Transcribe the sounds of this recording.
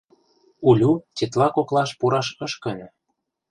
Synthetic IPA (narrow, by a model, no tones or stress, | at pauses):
ulʲutʲet̪lɑkoklˠɑʃpuɾɑʃɤ̆ʃkə̆nʲɤ̆